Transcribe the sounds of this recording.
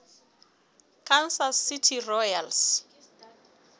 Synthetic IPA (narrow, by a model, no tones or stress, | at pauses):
kʰansasːitʰirɔjals